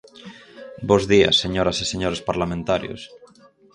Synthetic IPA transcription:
bozðia̰sːeɲoɾaseseɲoɾespaɾlamẽnt̪aɾjo̰s

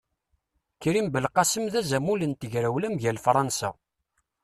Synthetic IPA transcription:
kːɾimbəlqɑsəmðæzæmulənt̪əʝɾæwlæmʝælfɾˤɑnsa̰

